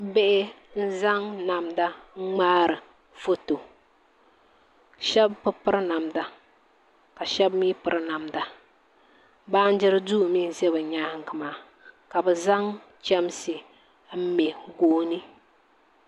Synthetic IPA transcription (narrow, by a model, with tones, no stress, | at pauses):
bɛ˦ʔɪ˦ | n̩˦za˦ŋna˨mda˦ŋ͡maː˦ɾɨ˨ | fo˦to˨ | ʃɛ˦bpɨ˦pɨ˦ɾɨ˦na˨mda˨ | ka˨ʃɛ˦bmi˦pɨ˨ɾɨ˦na˨mda˨ | baː˦n̩˦d͡ʒɪ˦ɾɨ˦du˦˨mi˦n˨zɛ˦bɨ˨ɲaː˦hŋ˨kɨ˨maː˨˦ | ka˨bɛ˨za˦ŋ | t͡ʃɛ˦m˦sɨ˨ | m̩˦mɛ˨ɡoː˦nɨ˦